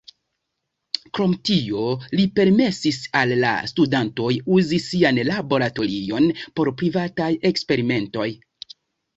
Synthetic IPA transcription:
kɾo̞mtio̞lipe̞ɾme̞sisalːa̰studanto̞juzisianlabo̞ɾato̞ɾio̞npo̞ɾpɾivataje̞kspe̞ɾime̞nto̞j

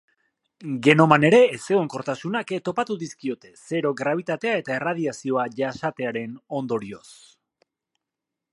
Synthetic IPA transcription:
ɡe̞no̞mane̞ɾe̞ːse̞ɣoŋko̞ɾt̪asunaket̪o̞pat̪uðiskio̞t̪e̞se̞ɾo̞ɡɾaβ̞it̪at̪e̞ae̞t̪ae̞rað̞iasio̞aʝasat̪e̞aɾe̞no̞nd̪o̞ɾio̞s

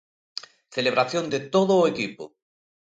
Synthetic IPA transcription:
θeleβ̞ɾaθjond̪et̪oðʊːekipʊ̰

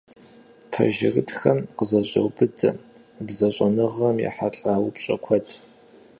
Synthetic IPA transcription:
pʰɐ̰ʒɪrɨtxɐmqəzɐʑʼɐ̰wbɨt͡sʼɐ̰ | bzɐɕʼɐnɨʁɐmjɛ̰ħaɬʼaːwpɕʼɐ̰kʷʰɔtʰ

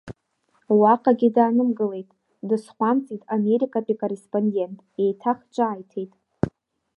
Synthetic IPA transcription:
waqʼaɡʲɪdaːnɨmɡɨle̞jtʼ | dɨsχʷamt͡sʼitʼame̞ɾikʼapʼikʼore̞spʼonde̞ntʼe̞jtʰaχt͡ʃʷʼaːjtʰe̞jtʼ

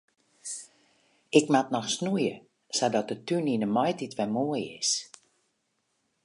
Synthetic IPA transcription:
ɪkmatnɔxsnujə | sadɔt̚dətyninəmɔjtitʋɛmoəjɪ̰s

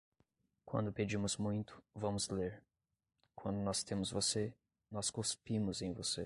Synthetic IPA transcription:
kwɐ̰̃nd̪ʊped͡ʒĩmʊzmũj̃t̪ʰʊ̥vɐ̃mʊzleɾ | kwɐ̃nd̪ʊnɔst̪ẽmʊzvose | nɔskospĩmʊzẽj̃vose

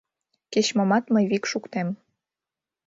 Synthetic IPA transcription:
ket͡ɕmomɑt̪məjβikʃukt̪em

